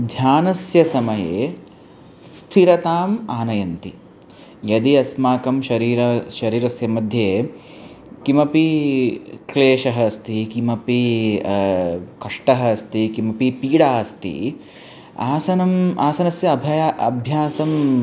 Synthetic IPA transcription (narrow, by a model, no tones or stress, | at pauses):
d̪ʱjaːnɐsjɐsɐmɐjḛː | st̪ʰiɾɐt̪aːmaːnɐjɐnt̪i | jɐd̪iɐsmaːkɐmʃɐɾiːɾɐʃɐɾiːɾɐsjɐmɐd̪ʱjeː | kimɐpi | kleːʃɐɦɐst̪ʰikimɐpi | kɐʂʈɐɦɐst̪ikimɐpipiːɽaːst̪ḭ | a̰ːsɐnɐmaːsɐnɐsjɐːbʱɐjɐbʱjaːsɐm